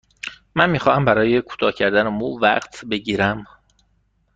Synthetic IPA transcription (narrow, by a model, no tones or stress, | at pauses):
mænmiːxɒːhæmbæɾɒːje̞kʰu̥ːt̪ʰɒːcʰæɾd̪ænemuvæ̰ɢt̪ʰbe̞ɟiːɾæm